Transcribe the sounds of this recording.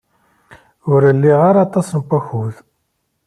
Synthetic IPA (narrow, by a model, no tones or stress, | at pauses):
ʊɾəlːiʁaɾat̪ˤɑsnkʷːæxuð